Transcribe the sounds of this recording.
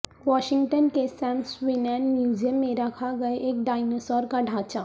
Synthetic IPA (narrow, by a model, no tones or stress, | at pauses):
wɔːʃɪ̃ŋɡʈənkesɛ̃ːmswɪnɛːnmjuːd͡ʒijəmːẽɾɐkʰaɡɐeʔeːk̚ɖaːɪnosɔːɾkaɖʱaːt͡ʃaː